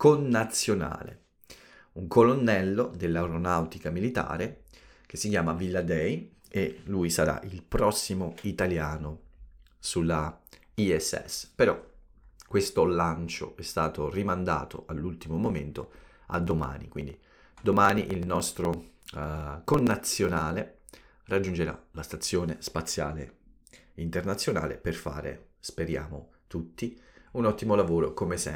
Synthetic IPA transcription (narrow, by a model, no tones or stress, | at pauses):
konːat̪sːjona̰ːlḛ | uŋkʰolonːɛlːod̪elːauɾonawt̪ikamilit̪a̰ːɾe | k̟esːikjaːmavilːad̪ɛj | elujsaɾa̰ʔilpɾɔsːimoit̪aljaːno | sulːa | iɛsːɛ̰speɾɔkːwest̪olant͡ʃo̰ɛst̪aːt̪orimand̪a̰ːt̪o̰alːult̪imomoment̪o̰ | a̰d̪ːoma̰ːnḭkwind̪i | d̪omaːniʔilnɔst̪ɾo | konːat̪sːjonaːle | rad͡ʒːund͡ʒeɾa̰last̪at̪sːjoːnespat̪sːja̰ːlḛ | int̪ernat̪sːjona̰ːlḛperfa̰ːɾḛspeɾja̰ːmo | t̪ut̪ːiunɔt̪ːimolavoːɾokomesɛ̰